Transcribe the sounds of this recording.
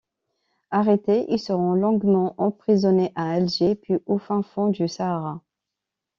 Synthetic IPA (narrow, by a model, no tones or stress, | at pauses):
aʁet̪eʔilsəʁɔ̃lɔ̃ɡmɑ̃ʔɑ̃pχizɔneʔaɛlʒepɥiʔofɛ̃fɔ̃d̪ysaːʁa